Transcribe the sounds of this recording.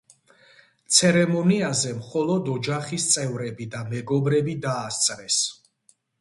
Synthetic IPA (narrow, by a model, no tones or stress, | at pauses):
t̪sʰɛɾɛmɔniazɛmχɔlˠɔd̪ɔd͡ʒaχist̪sʼɛvɾɛbid̪amɛɡɔbɾɛbid̪aːst̪sʼɾɛs